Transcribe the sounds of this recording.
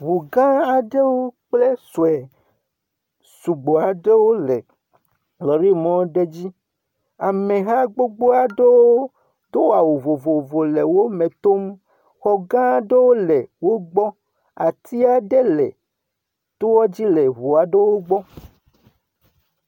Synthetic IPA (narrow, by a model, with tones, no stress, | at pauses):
βu˨ɡã˦a˨ɖe˦wo˦k͡ple˦so˨ɛ˨ | su˨ɡ͡bo˨a˨ɖe˦wo˦le˨ | lɔ˨ɾi˦mɔ̃˦ɖe˦d͡ʑi˦ | a˨mẽ˨ɦa˦ɡ͡bo˦ɡ͡bo˦a˨ɖe˦woo˦ | d̪o˦wa˨wo˨vo˨vo˨vo˨le˨wo˦mẽ˨t̪o˦m | xɔ˨ɡã˦a˨ɖe˦wo˦le˨wo˦ɡ͡bɔ˦ | a˨t̪ʰi˦a˨ɖe˦lḛ˨ | t̪o˦wɔ˦d͡ʑi˦le˨βu˨a˨ɖe˦wo˦ɡ͡bɔ˦